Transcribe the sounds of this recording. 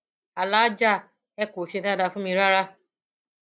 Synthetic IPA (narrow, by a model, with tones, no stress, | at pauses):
a˨la˦d͡ʒa˦˨ | ɛ˦ko˨ʃe˧ta˦da˧fũ˦mĩ˧ɾa˦ɾa˦